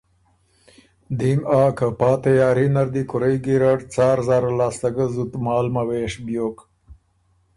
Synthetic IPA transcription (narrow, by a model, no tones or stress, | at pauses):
d̪imɑːkɐpɑːt̪ɐjɑːɾinɐɾd̪ikʊɾejɡiɾaʈt͡saːɾzɑːɾalɑːst̪ɐɡəzut̪mɑːlmɐweːʂbjoːk